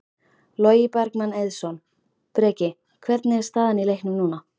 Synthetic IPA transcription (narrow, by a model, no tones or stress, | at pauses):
lɔːjɪpaɾkmanejðsɔn | pɾɛːcɪ | kʰvɛɾt̪nɪɛɾst̪aːðanilejhknʏmnuːna